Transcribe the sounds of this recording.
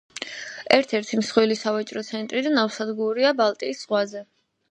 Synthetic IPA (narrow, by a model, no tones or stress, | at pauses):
ɛɾt̪ʰɛɾt̪ʰimsχwilisavat͡ʃʼɾɔt̪sʰɛnt̪ʼɾid̪anafsad̪ɡuɾiabalˠt̪ʼiːsz̥ʁwazɛ